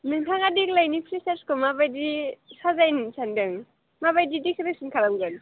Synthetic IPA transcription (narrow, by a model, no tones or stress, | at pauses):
nɯŋtʰaŋadik̚lajnipʰɾisaɾskʰɯmabajdisazajnsʰandɯŋ | maβajdidikʰɯɾɯk̚sinkʰalamɡɯn